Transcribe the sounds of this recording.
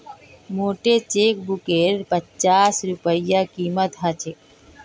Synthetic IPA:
moːʈet͡ʃeːk̚bʊkeɾpət͡ʃaːsɾʊpəjakiːmət̪ɦət͡ʃʰe

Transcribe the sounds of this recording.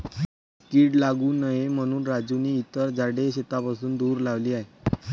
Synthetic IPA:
kiːɽlaɡuːnəjem̤əɽ̃uːnɾad͡zuniːt̪əɾd͡zaɽeɕet̪apasuːnd̪uːɾlaʋliːaɦe

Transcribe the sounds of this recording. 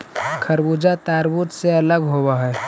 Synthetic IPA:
kʰəɾbud͡ʒat̪aːɾbut̪seələɡɦobaɦɛː

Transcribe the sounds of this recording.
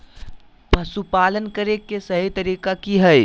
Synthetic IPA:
pɐsupaːlənkəɾekːesɐɦit̪ɐɾiːkakiɦɛj

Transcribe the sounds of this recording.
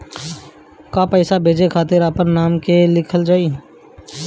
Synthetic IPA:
kapɛːsabʱeːd͡ʒekʰaːt̪ɪɾaːpəɾnaːmkelɪkʰəld͡ʒaːiː

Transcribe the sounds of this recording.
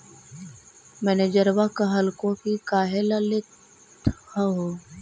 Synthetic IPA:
mɛːned͡ʒəɾʋakaɦəlkõkikaːɦelalɪt̪ʰ | haɦoː

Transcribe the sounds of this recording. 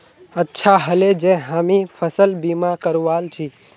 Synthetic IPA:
ətːʃʰaɦəled͡ʒẽɦamifʰəsəlbimãkəɾʋalt͡ʃʰi

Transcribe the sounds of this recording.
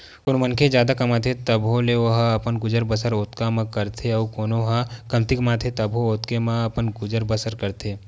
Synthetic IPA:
koːnmɐnkʰed͡ʒjaːd̪akɐmaːt̪ʰet̪ɐbõleʋoɦɐpənɡʊd͡ʒəɾbəsəɾoːt̪kamãkɐɾt̪ʰeɔkoːnoɦãkɐmt̪ɪkmaːt̪ʰet̪ɐbʱɦõoːt̪kemãɐpənɡʊd͡ʒəɾbəsəɾkɐɾt̪ʰeː

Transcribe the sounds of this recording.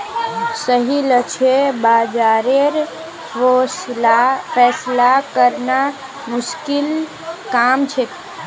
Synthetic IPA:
səɦilət͡ʃʰebad͡ʒaɾeɾ | apʰɛslakəɾna | mʊskil | kamt͡ʃʰet̪

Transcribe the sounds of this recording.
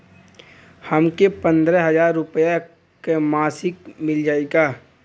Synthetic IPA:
həmkepə̃nd̪ɾɛɦɐzaːɾːʊpəja | kemaːsɪkmɪld͡ʒaːeɡaː

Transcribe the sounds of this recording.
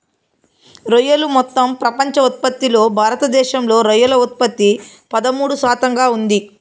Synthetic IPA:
ɾojɐlumɔt̪ːɐmpɾɐpɐɲt͡ʃɐut̪̚pɐt̪ːilo̞ːbʱaːɾɐt̪ɐd̪ɛːʃɐmlo̞ːɾɐjɐlɐut̪̚pɐt̪ːipɐd̪ɐmuːɽusaːt̪ɐŋɡaːund̪i

